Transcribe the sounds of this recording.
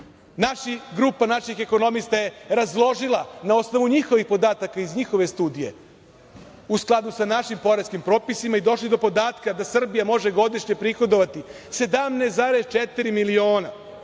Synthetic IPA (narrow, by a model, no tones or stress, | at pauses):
naʃiɡɾupanaʃixe̞ko̞no̞mist̪aje̞ɾazlˠo̞ʒilˠanao̞sno̞ʋuɲixo̞ʋixpo̞d̪aːt̪akaizɲixo̞ʋe̞st̪uːd̪ije̞̰ | usklˠad̪usanaʃimpo̞ɾeskimpɾo̞ːpisimaid̪o̞ʃlid̪o̞po̞d̪aːt̪kad̪asr̩bijamo̞ʒe̞ɡo̞d̪iʃɲepɾixo̞d̪o̞ʋat̪i | se̞d̪amneszaːɾest͡ʃet̪iɾimilio̞ːna